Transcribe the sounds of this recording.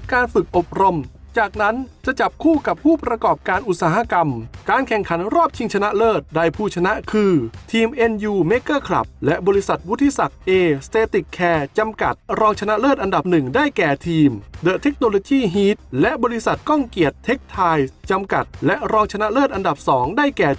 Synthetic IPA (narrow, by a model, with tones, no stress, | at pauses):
kaː˧nfɯ˨˩k̚ʔo˨˩p̚ɾo˧m | t͡ɕaː˨˩k̚na˦˥nt͡ɕa˨˩t͡ɕa˨˩p̚kʰuː˥˩ka˨˩p̚ʰuː˥˩pɾa˧kɔː˨˩p̚kaː˧nʔu˨˩t̪̚saː˩˦ɦa˧˥˧ka˧mkaː˧nkʰɛ˨˩ŋkʰa˩˦nɾɔː˥˩p̚t͡ɕʰi˧ŋt͡ɕʰa˧na˦˥ʔlɤː˥˩t̪̚da˧˩jpʰuː˧˥˩t͡ɕʰa˧na˦˥ʔkʰɯː˧t̪ʰiː˧mʔe˧njuː˧meː˦˥kɤː˥˩kʰla̰˨˩p̚lɛ˦˥ʔbɔː˧ɾi˦˥sa˨˩t̪̚wu˦˥t̪ʰːi˧sa˨˩k̚ʔeː˧st̪eː˧t̪i˨˩kʰːɛː˧t͡ɕa˧mka˨˩t̪̚ɾɔː˧ŋt͡ɕʰa˧na˦˥ʔlɤː˥˩t̪̚ʔa˧nda˨˩p̚nɯ˨˩ŋdaː˥˩jkɛː˨˩t̪ʰiː˧mdɤ˨˩t̪ʰːe˦˥k̚noː˧loː˧kiː˥˩ɦiː˦˥t̪̚lɛ˦˥ʔbɔː˧li˧˥sa˨˩t̪̚kɔ˥˩ŋki˨˩ət̪ʰːe˦˥k̚t̪ʰaː˧jt͡ɕa˧mka˨˩t̪̚lɛ˦˥ʔɾɔː˧ŋt͡ɕʰa˧na˦˥ʔlɤː˥˩t̪ʔa˧nda˨˩p̚sɔː˩˦ŋdaː˥˩jkɛː˨˩